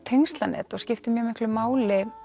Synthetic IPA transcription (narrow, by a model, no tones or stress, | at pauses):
t̪ʰejŋst̪lanɛ̰ːt̪ɔɣscɪft̪ɪmjœmɪhklʏmaːwlɪ